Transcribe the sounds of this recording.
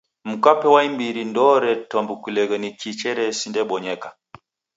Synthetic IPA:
m̩kapɛwaimbiɾindɔɾɛtɔmbukilɛɣɛnikit͡ʃɛɾɛsindɛɓɔɲɛka

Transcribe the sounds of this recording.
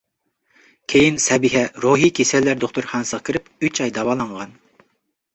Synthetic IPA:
kʲʰejinsɛbiɦɛɾoɦikʲʰesɛlːæɾd̪oχt̪uɾχɑnsəʁkʲʰiɾɪpyt͡ʃɑjd̪ɑwɑːlˠɑɴʁɑn

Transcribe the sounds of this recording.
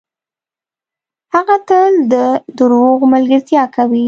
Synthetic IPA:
haɣat̪əld̪əd̪ʊɾwoɣmalɡəɾt̪jɑkʰawi

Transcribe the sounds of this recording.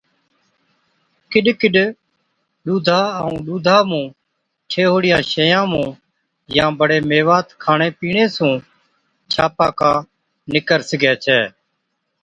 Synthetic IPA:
kɪɗkɪɗ | ɗuːd̪ʱaːəũːɗuːd̪ʱaːmũː | t͡ʃʰeːɦoːɽɪjãːʃəjãːmũː | jãːbəɽeːmeːʋaːt̪kʰaːɳeːpiːɳeːsũː | t͡ʃʰaːpaːkãː | nɪkəɾsɡɛːt͡ʃʰɛː

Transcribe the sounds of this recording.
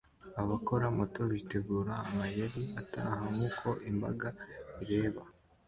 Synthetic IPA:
aβako̞ɾamo̞to̞βite̞ɡuːɾaːmajeɾiata̰ɦaŋuːkʰo̞ʔimba̰ɡaiɾe̞ːβa

